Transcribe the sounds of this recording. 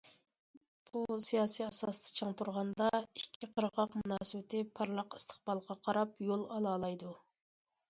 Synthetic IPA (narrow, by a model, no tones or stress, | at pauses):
b̥usijɑːsijɑsɑst̪ʰɨ̥t͡ʃʰəŋt̪ʰuɾʁɑnd̪ɑikʲʰːiqʰəɾʁɑqmunɑːsɪwɪt̪ʰɪpʰɑɾlˠəqɨ̥st̪ʰə̥χb̥ɑlˠqʰɑqʰɑɾɑpjolˠɑlˠɑːlˠɑjd̪u